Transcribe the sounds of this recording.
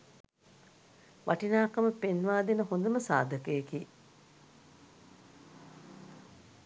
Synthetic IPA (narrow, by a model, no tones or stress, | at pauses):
ʋʔaʈinaːkɐməpenʋaːd̪enəɦond̪əməsa̰ːd̪əkəjekiː